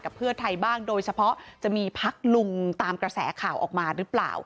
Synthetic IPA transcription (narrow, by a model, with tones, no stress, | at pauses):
ka˨˩pʰːɯ˥˩ɐt̪ʰa˧jbaː˥˩ŋdoː˧jt͡ɕʰa˧pʰɔ˦˥t͡ɕa˨˩miː˧pʰa˦˥k̚lu˧ŋt̪aː˧mkɾa˧sɛ̰ː˩˦kʰaː˨˩wʔɔ̰ː˨˩k̚maː˧ɾɯ˦˥pla̰ː˨˩w